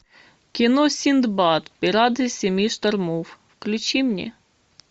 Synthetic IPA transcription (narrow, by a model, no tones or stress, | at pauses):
kʲinɔsʲind̪bɑt̪pʲiɾɑd̪ɨsʲemʲiʃt̪ɐrmuwwklʲʊt͡ɕimnʲɛ̰